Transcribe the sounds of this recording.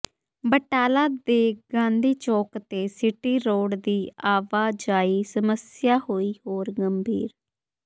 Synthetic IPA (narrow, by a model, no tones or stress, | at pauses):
bəʈaːlaːd̪eːɡãːnd̪iːt͡ʃoːkt̪eːsɪʈiːɾoːɽd̪iːaːʋaːd͡ʒaːiːsəməsɪjaːhoːiːhoːɾɡəmbʱiːɾ